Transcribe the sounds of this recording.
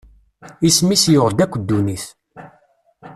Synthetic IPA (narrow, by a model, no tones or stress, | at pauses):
ismisjʊʁd̪ækʷːəd̪ːuniθ